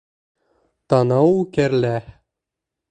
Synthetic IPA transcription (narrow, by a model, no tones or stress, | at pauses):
t̪ɑnɑwkæɾlæ